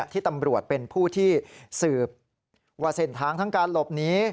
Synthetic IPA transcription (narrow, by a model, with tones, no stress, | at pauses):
t̪ʰiː˥˩t̪a˧mɾu˨˩ət̪̚pe˧npʰuː˥˩t̪ʰiː˥˩sɯː˨˩p̚ | waː˧˩se˨˩nt̪ʰaː˦˥ŋt̪ʰa˦˥ŋkaː˧nlo˨˩p̚niː˦˥